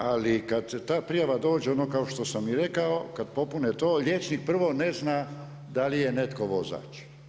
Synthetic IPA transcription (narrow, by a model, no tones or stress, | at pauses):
alikad̪t̪aːpɾijaʋad̪o̞ːd͡ʒeonokaoʃt̪o̞samiɾekaokad̪po̞punet̪oːʎʲet͡ʃnik̚pr̩ʋoneznaː | d̪alijenet̪koʋo̞za̰ːt͡ʃ